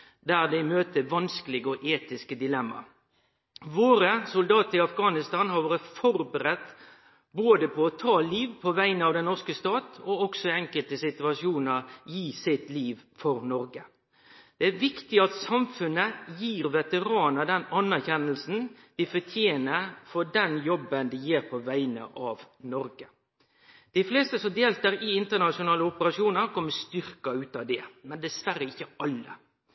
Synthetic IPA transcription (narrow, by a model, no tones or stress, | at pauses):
d̪æːʁd̪ɛɪmøːt̪əʋɑnskəlɪɡəɔʔeːt̪ɪskəd̪ɪlɛmːɑ̰ | ʋoːɾəsʊld̪ɑːt̪əɾɪɑfɡɑːnɪst̪ɑnhɑɾʋɑːɾəfɔɾbəɾɛt̪ | boːd̪əpʰɔɔt̪ʰɑːliːʋpʰɔʋæɪnəɑʋd̪ɛnnɔskəst̪ɑːt̪ɔɔksɔɛŋkəlt̪əsɪt̪ʉɑʂɪuːnəɾjiːsɪt̪liːʋfɔɾnɔɾɡə | d̪̥ɛæɾʋɪkt̪ɪɑt̪sɑmfʉnːəjiːɾʋɛt̪əɾɑːnəd̪ɛnɑnːæɾçɛnːəlsn̩d̪̥ɪfɔt̪ʰjeːnəɾfɔɖɛnjɔbːənd̪ɪjeːɾpʰɔʋæɪnə̰ʔɑʋnɔɾɡə | d̪̥ɪfleːst̪əsɔmd̪eːlt̪əɾɪɪnt̪əɳɑʃɪʊnɑːləʊpəɾɑʂjuːnəɾkɔmːəst̪ʏɾkɑʉːt̪ɑd̪ɛmɛnd̪ɛsʋæɾəɪçːəɑlːə̰